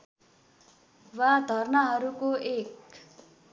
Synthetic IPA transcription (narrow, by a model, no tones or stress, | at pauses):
wad̪ʱʌrnʌɦʌɾukoʔek